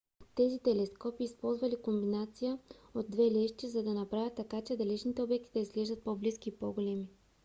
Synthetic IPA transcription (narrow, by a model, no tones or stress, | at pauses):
t̪ɛzit̪ɛlɛskɔpiːspɔlˠzvɐlikombinat̪sijəod̪̚ːvɛlɛʃt̪izɐd̪ɐnɐpɾavʲət̪ːɐkat͡ʃɛd̪ɐlɛt͡ʃnit̪ɛobɛk̚t̪id̪ɐizɡlɛʒd̪ət̪̚pobliskiːpoɡolɛmi